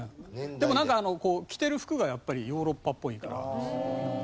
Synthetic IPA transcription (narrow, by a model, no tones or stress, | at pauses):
d̪e̞mo̞nãŋkaːno̞ko̞ːkʲi̥t̪e̞ɾɯ̟ɸɯ̟̥kɯ̟ɡajapːaɾʲijo̞ːɾo̞pːapːo̞ika̰ɾa̰ɯ̃